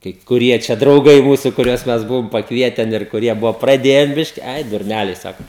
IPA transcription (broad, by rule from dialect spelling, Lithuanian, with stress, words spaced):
kɐɪp kʊˈrʲiɛ t͡ʃʲɛ drɐʊˈɡɐɪ ˈmuːsʊ kʊˈrʲuɔs ˈmʲɛs ˈbʊʋoːm pɐkˈʋʲiɛtʲɛn ɪr kʊˈrʲiɛ ˈbʊʋoː prɐˈdʲeːjɛn ˈbʲɪʃʲkʲɪ ˈɐɪ dʊrʲˈnʲælʲɛɪ ˈsɑːkoː